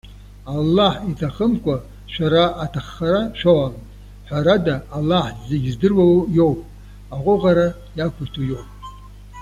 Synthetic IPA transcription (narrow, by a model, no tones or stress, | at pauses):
alːaħitʰaχəmkʷa | ʃʷaɾaʔatʰaχːaɾaʃʷᶣoʕamʼ | ħʷᶣaɾadaːlːaħzeɡʲzdɨrwawjowpʼ | aʁʷʊʁaɾa | jakʷʰujtʰujo̞wpʼ